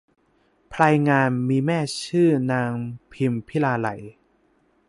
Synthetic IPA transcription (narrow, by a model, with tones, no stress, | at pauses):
pʰlaː˧jŋaː˧nmiː˧mɛː˥˩t͡ɕʰɯː˥˩naː˧ŋpʰi˧mpʰi˦˥˩laː˧la̰˨˩˦j